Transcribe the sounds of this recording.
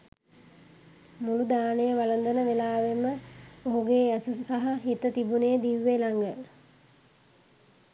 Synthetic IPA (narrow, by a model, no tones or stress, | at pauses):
mulud̪aːnəjəʋalənd̪ənəʋelaːʋeməoɦuɡeːsəsaɦɐɦit̪ət̪ibunejəd̪iʋːelaŋɡə